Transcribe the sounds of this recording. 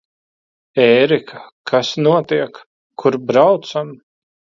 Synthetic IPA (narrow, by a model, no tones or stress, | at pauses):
ɛːɾikʰakʰasnuɔt̪iɛkːʰ | uɾbɾawt̪sam